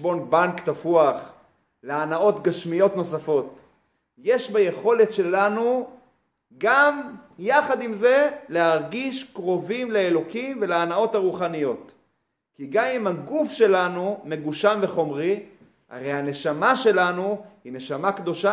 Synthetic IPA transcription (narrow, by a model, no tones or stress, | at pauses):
bo̞nbaŋkt̪afuaχ | leanao̞t̪ɡaʃmijo̞tno̞safo̞t̪ | je̞ʃbaje̞χo̞le̞tʃe̞lanu | ɡamjaχad̪imzeleaʁɡiʃkʁo̞vimleelo̞kimve̞laːnao̞taʁuχanijo̞t̪ | kiɡamimhaɡufʃe̞lanume̞ɡuʃamveχo̞mʁi | a̰ʁejane̞ʃamaʃe̞lanuhine̞ʃamakd̪o̞ʃa